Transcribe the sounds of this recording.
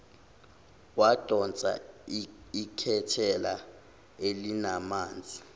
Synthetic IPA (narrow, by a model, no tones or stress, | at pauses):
wad̥ʱɔnt͡sʼa̰ | ikʰɛtʰɛla | elinamaːnd͡zʱʼi